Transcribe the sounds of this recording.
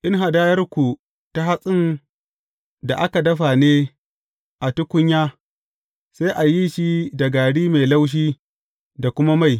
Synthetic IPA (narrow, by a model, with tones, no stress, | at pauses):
ʔɪ˦ŋɦa˨daː˦jɐ˦rkʷu˨ | ta˦ɦa˦sʼɪ˦n | da˨ʔa˦ka˨dɐ˦ɸa˨neː˦ | ʔa˨tʊ˦kʷʊ˦ɲjaː˦ | sa˦jʔa˨ji˦ʃi˦da˨ɡaː˨ɽiː˦me˨la˦wʃ̬iː˦ | da˨kʷʊ˦ma˦ma˦˨j